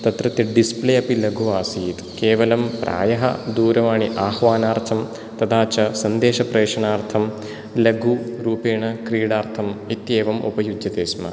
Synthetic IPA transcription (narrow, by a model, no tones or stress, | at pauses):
t̪ɐt̪ɾɐt̪jɐɖispleːɐpilɐɡʱuaːsiːt̪keːʋɐlɐmpɾʔa̰ːjɐɦɐ̰d̪uːɾɐʋaːɳiʔaːhʋaːnaːɾt̪ʰɐm | t̪ɐd̪ʰaːt͡ʃɐsɐnd̪eːʃɐpɾeːʂɐnaːɾt̪ʰɐm | lɐɡʱuɾuːpeːɳɐkɾiːɽaːɾt̪ʰɐmit̪jeːʋɐmʔo̰pɐjud͡ʒjɐt̪eːsmɐ̰